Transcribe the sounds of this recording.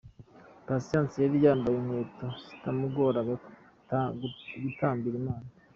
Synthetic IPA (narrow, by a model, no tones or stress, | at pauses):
pasiaːnsijaβijaːmbajumweːtosi̥tamuɡoːɾaɡa | ɡutaːmbiɾimaːna